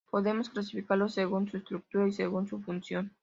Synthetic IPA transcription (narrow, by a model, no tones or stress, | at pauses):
po̞ðe̞mosklas̬ifikaɾloseɣunsuest̪ɾuk̚t̪uɾaiseɣunsufunsjo̞n